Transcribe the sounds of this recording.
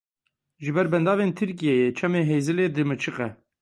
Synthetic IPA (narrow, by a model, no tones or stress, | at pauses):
ʒɨbɛɾbɛnd̪ɑːveːnt̪ʰɨɾkijɛjet͡ʃʰɛmeːɦeːzɨleːd̪ɨmɨt͡ʃʰɨqɛ